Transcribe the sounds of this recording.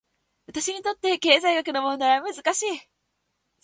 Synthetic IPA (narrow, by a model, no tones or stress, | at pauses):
βat̪aɕiɲ̟it̪o̞t̪ːe̞ke̞ːzaiɡakɯ̟no̞mõ̞nd̪ajɡamɯ̟zɨkaɕiː